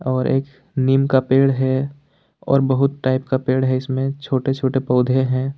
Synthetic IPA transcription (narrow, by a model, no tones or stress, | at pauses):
ɔːɾʔeːk | niːmkapeːɽɦɛ | ɔ̰ːɾbəɦʊt̪ʈaːɪp̚kapeːɽɦɛɪsmẽt͡ʃʰoːʈet͡ʃʰoːʈepɔːd̪ʱeɦɛ̃ː